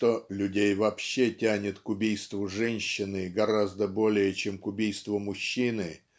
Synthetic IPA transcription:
t̪olʲʊdʲejvɐpɕːetʲænʲɪt̪kʊbʲijst̪vʊʐɛnʲɕːɪnɨɡɐɾazd̪əbo̞lʲɪjət͡ɕemkʊbʲijst̪vʊmʊɕːinɨ

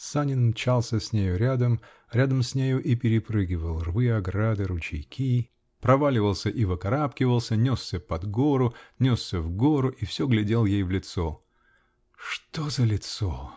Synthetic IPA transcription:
sanʲɪnmt͡ɕalˠsʲəsʲnʲejʊɾʲad̪əm | ɾʲad̪əmsʲnʲejʊʔipʲɪɾʲɪpɾɨɡʲɪvəlˠrvɨɐɡɾad̪ɨɾʊt͡ɕɪ̰jkʲʰi | pɾɐvalʲɪvəlˠsʲəʔivɨkɐɾapkʲɪvəlˠsʲənʲosʲːəpɐd̪ɡoɾʊnʲosːʲəvɡoɾʊʔifsʲoɡlʲɪdʲe̞lˠjejvlʲɪt̪so | ʂt̪ozəlʲɪt̪so

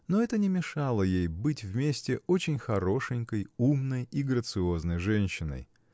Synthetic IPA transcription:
no̞ɛt̪ənʲɪmʲɪʂɑlˠəjejbɨtʲvmʲesʲtʲɪʔo̞t͡ɕɪnʲxɐɾo̞ʂɨnʲkəjumnəjiɡɾət̪sɨo̞znəjʐɛnʲɕːɪnə̰j

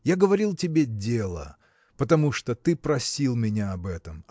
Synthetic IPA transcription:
jaɡəvɐɾʲilˠtʲɪbʲedʲelˠə̰ | pət̪ɐmuʂt̪ot̪ɨpɾɐsʲilˠmʲɪnʲaɐbɛt̪əm

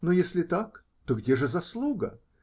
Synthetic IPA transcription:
nojesʲlʲɪt̪ak | t̪oɡdʲeʐɨzɐslˠuɡə

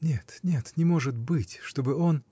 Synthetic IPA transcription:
nʲet̪nʲe̞t̪nʲɪmo̞ʐɨt̪bɨtʲʂt̪o̞bɨo̞n

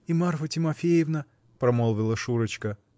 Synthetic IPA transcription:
imarfətʲɪmɐfʲejɪvnə | pɾɐmolˠvʲɪlˠəʂuɾət͡ɕkə

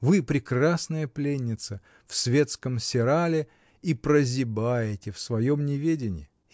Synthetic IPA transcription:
vɨpɾʲɪkrasnəjəplʲenʲːɪt̪sə | fsvʲe̞t̪skəmsʲɪɾalʲɪ | ipɾəzʲɪbajɪtʲɪfsvɐjomnʲɪvʲedʲɪnʲɪ̰jɪ

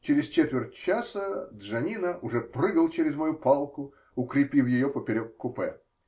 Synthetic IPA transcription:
t͡ɕɪɾʲɪst͡ɕet̪vʲɪrtʲt͡ɕasəd̪ʐɐnʲinəʔʊʐɛprɨɡəlˠt͡ɕeɾʲɪzmɐjupalˠkʊ | ʊkɾʲɪpʲilˠjɪjopəpʲɪɾʲokkːʊpɛ

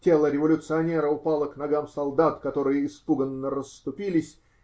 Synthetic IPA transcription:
tʲe̞lˠəɾʲɪvɐlʲʊt̪sɨɐnʲeɾəʊpalˠəknɐɡamsɐlˠd̪at̪kɐt̪o̞ɾɨjəɪspuɡənːərəsːt̪ʊpʲilʲɪsʲ

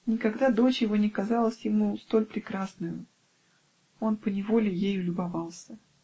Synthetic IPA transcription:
nʲɪkɐɡd̪ad̪o̞t͡ɕjɪvonʲɪkɐzalˠəsʲjɪmust̪o̞lʲpɾʲɪkɾasnʊjʊ | o̞npənʲɪvo̞lʲɪjejʊlʲʊbɐvɑlˠsʲə

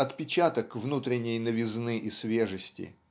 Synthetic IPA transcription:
ɐt̪pʲɪt͡ɕat̪əkvnut̪ɾʲɪnʲːɪjnəvʲɪznɨʔisvʲeʐəsʲtʲɪ̰

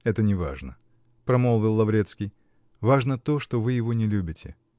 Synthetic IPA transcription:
ɛt̪ənʲɪva̰ʐnə | pɾɐmolˠvʲɪlˠːɐvɾʲet̪skʲɪj | vaʐnət̪o̞ʂt̪ovɨjɪvo̞nʲɪlʲubʲɪtʲɪ̰

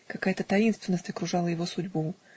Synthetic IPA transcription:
kɐkajət̪ət̪ɐinst̪vʲɪnːəsʲtʲɐkɾʊʐɑlˠəjɪvo̞sʊdʲbu

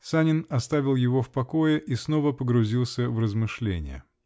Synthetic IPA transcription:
sanʲɪnɐst̪avʲɪlˠjɪvo̞fpɐko̞jɪʔisno̞vəpəɡɾʊzʲilˠsʲəvrəzmɨʂlʲḛnʲɪ̰jə̰

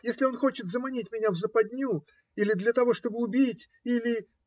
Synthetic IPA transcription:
jesʲlʲɪo̞nxo̞t͡ɕɪt̪zəmɐnʲitʲmʲɪnʲavzəpɐdʲnʲu | ilʲɪd̪lʲət̪ɐvo̞ʂt̪o̞bɨʊbʲitʲ | ilʲɪ

